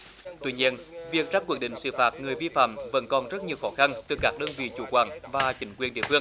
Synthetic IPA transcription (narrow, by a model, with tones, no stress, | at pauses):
t̪wi˧ɲi˧ənvi˨˩ək̚zaː˦˥kwi˧˩ək̚ɗḭ̈˧˨ŋ̟sɨ̰˧˨˩faː˨˩t̚ŋɨ˨˩əjvi˧fa̰ː˧˨mvə̰˧˥nkɔ˨˩nzə˦˥t̚ɲi˨˩əwxɔ˨˦xa˧nt̪ɨ˨˩kaː˦˥k̚ɗəː˧nvḭ˧˨t͡ɕu˧˩˦kwaː˧˩nvaː˨˩t͡ɕï˨˦ŋ̟kwi˨˩ənɗḭ˧˩əfɨ˧əŋ